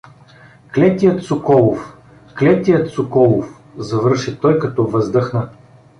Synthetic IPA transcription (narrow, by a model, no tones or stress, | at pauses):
klɛt̪ijət̪sʊkɔlˠʊf | klɛt̪ijət̪sʊkɔlˠʊf | zɐvɤɾʃit̪ɔjkɐt̪ɔvəzd̪ɤxnə